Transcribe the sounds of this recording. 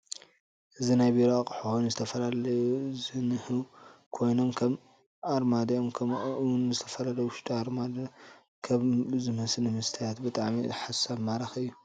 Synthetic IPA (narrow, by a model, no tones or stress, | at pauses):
ʔɨzinajbiɾoakʼħonzɨt̪ʰɐfɐlalɐjuzɨnɨhɨwkʰo̞jno̞mkʰɐm | aɾmad̪ɐomkʰɐwnzɨt̪ʰɐfɐlalɐjuwʊʃt̪ʰʼiaɾmad̪ɐ | kʰɐβzɨmɐslɨmɨst̪ʰijat̪bɨt̪ʼaʕmḭħasaβmaɾaxɨjːu